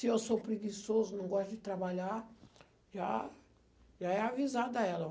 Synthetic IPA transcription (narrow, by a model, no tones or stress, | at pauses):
sɪewsopɾeɡisozʊnɐ̃w̃ɡɔst̪ɐd͡ʒɪt̪ɾabaʎaɾ | ʒa̰ | ʒaɛavizad̪ɐɛlɐ